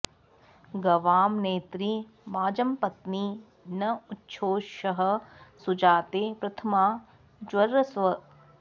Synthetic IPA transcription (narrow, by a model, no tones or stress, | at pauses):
ɡɐʋaːmneːt̪ɾi | maːd͡ʒɐmpɐt̪ni | nɐutːʃʰoːʃɐɦɐ̆sud͡ʒaːt̪eːpɾɐt̪ʰɐmaː | d͡ʒwɐɾɐsʋɐ